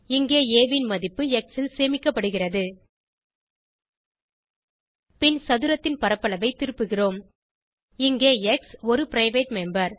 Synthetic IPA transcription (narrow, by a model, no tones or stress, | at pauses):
ɪŋɡeːeːʋɪnmɐðɪpːɯɛksɪlseːmɪkːɐpːɐɽɯɣɪrɐðɯ | pɪnsɐðɯɾɐt̪ːɪnpɐɾɐpːɐɭɐʋɐɪt̪ɪɾɯpːɯɣɪroːm | ɪŋɡeːɛksɔɾɯpɪɾɐɪʋeːʈmɛmbɐɾ